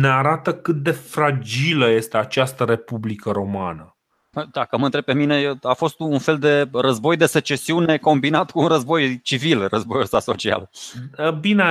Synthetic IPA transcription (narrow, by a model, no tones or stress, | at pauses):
neaɾat̪əkɨt̪̚d̪e̞fɾad͡ʒiləje̞st̪e̞at͡ʃast̪əɾe̞publikəɾo̞manə | əd̪akəməɨnt̪ɾep̚ːemine̞jeafo̞st̪uunfe̞ld̪e̞rəzbo̞jd̪e̞se̞t͡ʃe̞siune̞ko̞mbinat̪kuːnrəzbo̞jt͡ʃivilrʔəzbo̞jusaso̞̰t͡ʃia̰ləbine